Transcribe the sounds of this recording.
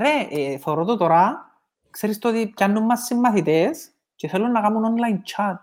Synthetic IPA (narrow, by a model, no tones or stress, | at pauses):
ɾeʔeθoɾot̪ot̪oɾa | kseɾist̪ot̪ip̚canːumːɐsːimːɐθit̪es | ceθelːunːɐɣamunonlajnt͡ʃʰat̪̚